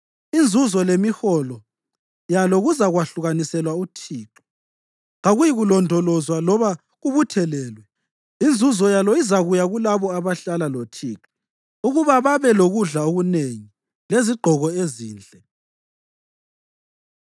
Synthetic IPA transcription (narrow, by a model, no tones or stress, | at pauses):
ind͡zʱuzɔlemixɔlɔ | jalɔɣuzaɣwaɬuɣanisɛlwautʰiːǁɔ̥ | ŋaɣujiɣulɔndʱɔlɔzwalɔβa | ɣuβutʰɛlɛːlwɛ | ind͡zʱuzɔjalɔizaɣujaɣulaβɔaβaɬalalotʰiːǁɔ̥ | uɣuβaβaβɛloɣuɮaoɣuneŋi | leziɡ͡ǃʱɔɣɔeziːnd͡ɮʱɛ